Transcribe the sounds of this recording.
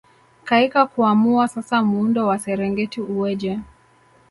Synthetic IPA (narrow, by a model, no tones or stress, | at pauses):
kaikakuamuasasamuundɔwasɛɾɛŋɡɛtiuɛʄɛ